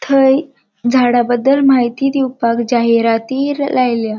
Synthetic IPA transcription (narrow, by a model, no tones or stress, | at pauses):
t̪ʰəj | d͡zʱaɽabəd̪ːəlmaɦit̪iːd̪iwpakd͡ʑaɦiɾat̪iːɾlajlja